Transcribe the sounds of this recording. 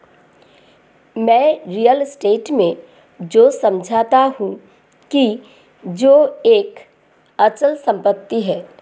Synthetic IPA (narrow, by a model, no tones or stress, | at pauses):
mɛ̃ːɾijəlsʈeːʈmẽ | d͡ʒoːsɐ̃md͡ʒʱaːt̪aɦũ | ki | d͡ʒoːeːk | ət͡ʃəlsə̃mpət̪ːiɦɛː